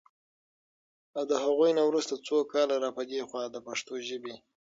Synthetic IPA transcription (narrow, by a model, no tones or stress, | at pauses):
awd̪əɦaɣujnawɾust̪at͡sokɑlaɾɑpəd̪exwɑd̪əpaʂt̪oʒəbe